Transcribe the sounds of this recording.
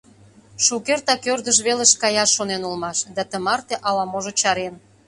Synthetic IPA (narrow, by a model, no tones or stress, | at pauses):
ʃukert̪ɑkørd̪əʃβeleʃkɑjɑʃːonenulmɑʃd̪ɑt̪əmɑrt̪eʔɑlɑmoʒot͡ɕɑɾen